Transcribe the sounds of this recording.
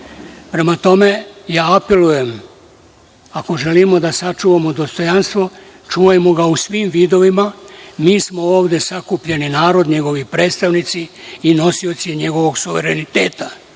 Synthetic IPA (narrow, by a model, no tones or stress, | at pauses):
pɾe̞mat̪o̞me̞jaːpe̞luje̞m | ako̞ʒe̞limo̞d̪asat͡ʃuːʋamo̞d̪o̞st̪o̞janst̪ʋo̞ | t͡ʃuːʋajemo̞ɡausʋiːmʋiːd̪o̞ʋimamiːsmo̞oːʋd̪e̞sakupʎeninaːɾo̞d̪ɲe̞ɡo̞ʋipɾe̞ːt̪st̪aʋnit̪siino̞sio̞t̪sijeɲe̞ɡo̞ʋo̞ɡsuʋe̞ɾe̞nit̪e̞ːt̪a